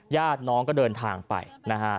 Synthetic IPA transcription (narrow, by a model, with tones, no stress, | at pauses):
jaː˥˩t̪̚nɔː˦˥ŋk̬ɔː˥˩dɤː˧nt̪ʰaː˧ŋpa̰˧jna˦˥kʰa˦